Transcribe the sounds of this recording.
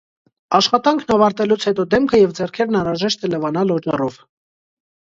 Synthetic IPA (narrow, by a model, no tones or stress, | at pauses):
ɑʃχɑt̪ɑŋkʰnɑvɑɾt̪ɛlut͡sʰhɛt̪ɔd̪ɛmkʰəjɛvd͡zɛrkʰɛɾnɑnɾɑʒɛʃt̪ɛləvɑnɑlɔd͡ʒɑrɔv